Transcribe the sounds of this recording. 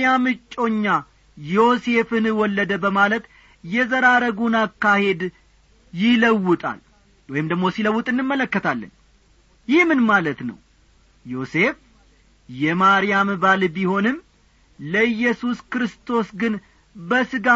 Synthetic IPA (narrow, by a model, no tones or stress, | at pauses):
jamɨt͡ʃʼːo̞ɲːa | jo̞se̞fɨnɨwɔlːəd̪əbəmalət̪ | jɛzəɾaɾəɡunakːahe̞d̪ | jɪləwːʊt̪ʼa̰l | wɔjɪmd̪əɡmo̞siləwːut̪ʼɨnːɨmːələkːət̪ʰalːə̰ɲ | jɪhmɨnmalət̪nə̰w | jo̞se̞f | jɛmaɾijambalbiho̞nɨm | ləɨjːɛsuskɾɨst̪ʰo̞sɡɨn | bəsɨɡa